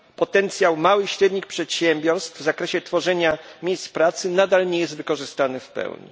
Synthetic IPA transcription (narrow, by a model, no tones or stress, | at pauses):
pɔt̪ɛnt̪sʲjawmawɘɕɾɛd̪ɲixpʂɛt̪ɕɛmbʲjɔɾst̪vzakɾɛɕɛt̪fɔʐɛɲamʲejst̪pɾat̪sɘnad̪alɲɛjɛsd̪vɘkɔʐɘst̪anɘfpɛ̰wɲḭ